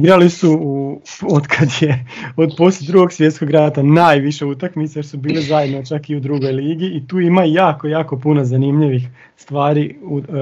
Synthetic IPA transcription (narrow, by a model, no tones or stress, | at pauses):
ɡɾalisuuod̪kʰad̪jeo̞d̪posled̪ɾuɡo̞ɡsʋje̞t̪sko̞ɡɾaːt̪anaːjʋiʃeut̪akmit̪sejeɾsubiːlezajed̪not͡ʃakiud̪ɾuɡo̞jliːɡiːt̪uːimajaːko̞jaːko̞punozanimʎiʋix | st̪ʋaːɾiu